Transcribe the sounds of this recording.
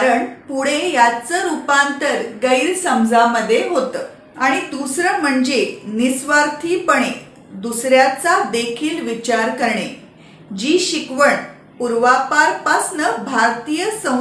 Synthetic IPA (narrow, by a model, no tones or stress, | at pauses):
aɾəɳpuɽ̤ejat͡səɾupãnt̪əɾɡəiːɾsəmd͡zʱaməd̪ʱːjeɦot̪ə | aɽ̃id̪usɾəm̤əɳd͡zenisʋaɾt̪ʰiːpəɳ̃e | d̪usɾjat͡sad̪ekʰiːlʋit͡ɕaɾkəɾɳe | d͡ʑiːɕikʋəɳ | puɾʋapaɾpasnəbʱaɾt̪ijəsə̃